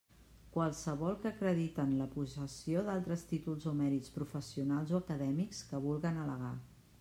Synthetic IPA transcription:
kwəlˠsəβɔlˠkəkɾəðit̪ənləpuzəsioðalˠt̪ɾəst̪it̪ulˠzomɛɾit͡spɾufəsiunalˠzoəkəðɛmikskəβulˠɣənələɣ̞a

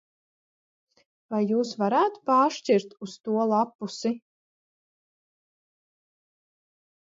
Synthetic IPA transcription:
vajːuːsvaɾaːt̪paːʃt͡ʃiɾt̪ust̪uɔlˠapːusi

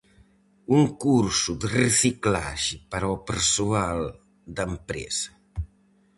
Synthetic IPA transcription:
uŋkuɾsud̪ərəsikla̰ʒipaɾɔwpəɾsual | d̪əmpɾɛ̰sɐ̥

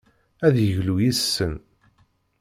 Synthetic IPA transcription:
æðjəʝlujisːən

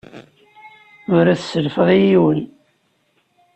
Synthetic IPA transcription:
ʊɾæθsəlfəʁˤijiwən

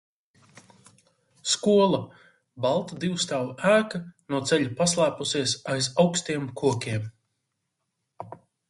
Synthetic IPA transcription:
skuɔlˠa | balˠt̪ad̪iwst̪awæːkanuɔt̪sɛʎʲupaslˠæːpusiɛsajzawkst̪iɛmkuɔkʲiɛm

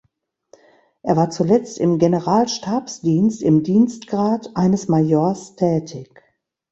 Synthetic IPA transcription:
ʔeːɐvaːɐt͡sulɛt͡stɪmɡenəʁaːlʃtʰaɐpsd̥iːnstɪmdiːnstɡ̥ʁaːtʔaɪnəsmajoɐstʰɛːtʰɪç

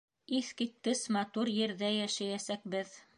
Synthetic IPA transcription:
iθkit̪̚kɘsmɑt̪uɾjɘ̆ɾðæjæʃæjæsæk̚bɘð

